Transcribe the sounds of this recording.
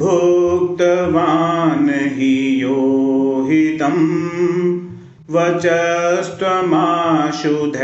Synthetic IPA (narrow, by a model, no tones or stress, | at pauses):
bʱuk̚t̪ɐʋaːnɦijoːɦit̪ɐm | ʋɐt͡ʃɐst̪ɐmaːʃud̪ʱɐ